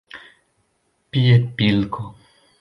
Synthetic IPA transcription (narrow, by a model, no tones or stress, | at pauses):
piepilko